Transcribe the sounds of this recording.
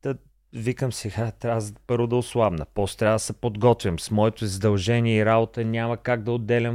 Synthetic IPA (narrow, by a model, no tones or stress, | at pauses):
t̪ə | vikəmsɛɡat̪ɾazpɤɾvod̪ɐʊslˠabnəpɔst̪ɾʲavəd̪sɛpod̪ɡɔt̪vʲimsmɔɛt̪oizd̪ɐlˠʒɛniɛiɾabot̪ənʲaməkaɡ̚d̪ɐod̪ːɛlʲɐm